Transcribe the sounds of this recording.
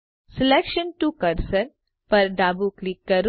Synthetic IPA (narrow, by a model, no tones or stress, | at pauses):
sɪleːkʃənʈuːkɐɾsən | pɐɾɖaːbuklɪkːɐɾ